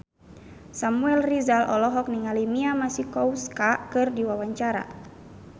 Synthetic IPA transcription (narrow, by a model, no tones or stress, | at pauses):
samuɛlrizalʔɔlɔɦɔk̚niŋalimiamasikɔwskakɨrdiwawaɲt͡ʃaɾa̰